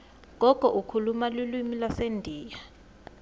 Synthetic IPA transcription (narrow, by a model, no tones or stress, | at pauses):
ŋʱɔkʼɔʔukʰulumalilwimilasendʱiːja